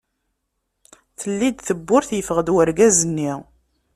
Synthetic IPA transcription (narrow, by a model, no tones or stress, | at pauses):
θəlːid̪θəbːʊɾθjəfəʁəd̪wəɾɡæzənːiʁ